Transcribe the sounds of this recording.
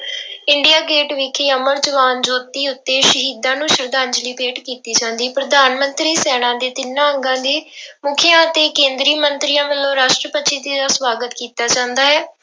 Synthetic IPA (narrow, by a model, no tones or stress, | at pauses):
ɪɳɖijaːɡeːʈʋɪkʰeːəməɾd͡ʒəʋaːnd͡ʒoːt̪iːʊt̪ːeːʃəɦiːd̪ãːnũːʃəɾd̪ãːnd͡ʒliːpeːʈkiːt̪iːt͡ʃãːnd̪iːpɾəd̪aːnmənt̪ɾiːsɛːɽ̃ãːd̪eːt̪ɪnːãːəŋɡãːd̪iːmʊkʰɪjãːət̪eːkẽːnd̪ɾiːmənt̪ɾiːãːʋəlːõːɾaːʃʈɾəpət̪ːʃʰiːd̪iːd̪aːsʋaːɡət̪kiːt̪aːt͡ʃãːnd̪aːɦɛː